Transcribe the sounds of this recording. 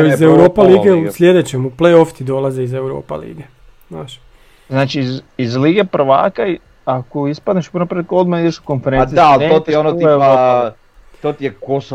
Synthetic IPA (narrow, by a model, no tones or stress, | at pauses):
izewɾoːpaliːɡeusʎʲed̪et͡ɕemuplejoft̪id̪olˠazeizewɾo̰ːpa̰lḭːɡe | znaːʃ | znaːt͡ʃizizliːɡepɾ̩ʋa̰ːkai | akoispad̪neʃupuɾnapɾelkod̪maid̪eʃu̥konfeɾeiaalneot̪ionouiewoː | t̪ot̪ijekoso